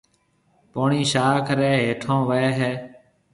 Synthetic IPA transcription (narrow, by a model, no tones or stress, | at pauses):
poːɳiːʃaːkʰɾeːɦeːʈʰõːʋəeːɦeː